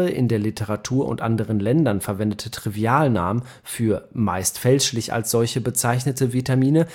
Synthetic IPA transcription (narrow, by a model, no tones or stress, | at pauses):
əʔɪ̰ndeːɐlɪtʰəʁ̞atʰuːɐʔʊ̰ntʔandəʁ̞ənlɛndɐnfɛɐvɛndətʰətʁ̥iviaːlnaːmə | fyːɐmaɪstfɛlʃlɪça̰lsz̥ɔlçəbət͡saɪçnətəvitamiːnə